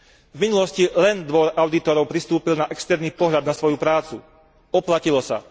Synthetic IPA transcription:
vminulɔscilɛnd̪ʋɔɾaʊd̪it̪ɔɾɔʊpɾist̪uːpilnaʔɛkst̪ɛɾniːpɔɦʎad̪nasʋɔjupɾaːt͡su | ɔplacilɔsa̰

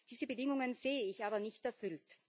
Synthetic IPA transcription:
d̥iːzəbədɪŋʊŋənz̥eːəɪçaːbɐnɪçtɛɐfʏlt

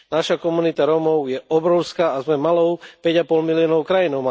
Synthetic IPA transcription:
naʃakɔmunit̪aɾɔmɔʊjɛɔbɾɔʊskaːzmɛmalɔʊpɛɟapɔlmiliɔnɔʊkɾajinɔʊma

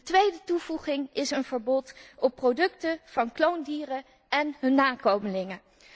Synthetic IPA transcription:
ətʋejdətuvuχɪŋɪsənvəɹbɔtɔpːrowdɵktəv̥ɑnklowndiːrə | ɛnɦɵnːaːkowməlɪŋə

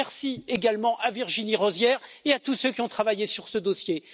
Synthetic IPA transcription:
ɛʁsieɡalmɑ̃ʔaviʁʒiniʁɔzjɛʁeat̪usøkʲiɔ̃t̪χavajesyʁsəd̪osje

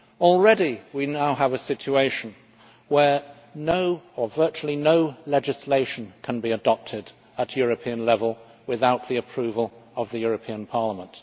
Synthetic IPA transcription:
ɔl̩ˠɹɛɾiwinaʊəvɨsɪt͡ʃueɪʃn̩ | wə˞ | noʊəvɜ˞t͡ʃul̩ˠinoʊlɛd͡ʒɨsleɪʃn̩kʰə̃n̩biɨdɑp̚tʰɪɾ | ət̚ʰjʊɹɨpʰiɨ̃nlɛvəlˠ | wɨðaʊt̪̚ðiɨpʰɹ̥ʉvəlˠʌvðɨjʊɹɨpʰĩə̃npʰɑɹləmə̃nt

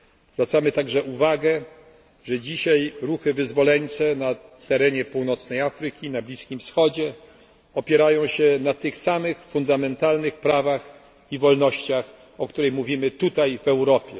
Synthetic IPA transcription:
zvɾat̪samɘt̪aɡʐɛʔuvaɡɛ | ʐɛd͡ʑiɕajɾuxɘvɘzvɔlɛɲt͡ʂɛnat̪ɛɾɛɲɛpuwnɔt̪snɛjafɾɘkʲinablʲiskʲimfsxɔd͡ʑɛ | ɔpʲjɛɾajɔ̃w̃ɕɛnat̪ɘxsamɘxfund̪amɛnt̪alnɘxpɾavax | ivɔlnɔɕt͡ɕax | ɔkt̪uɾɛjmuvʲimɘt̪ut̪ajvɛwɾɔpʲjɛ̰

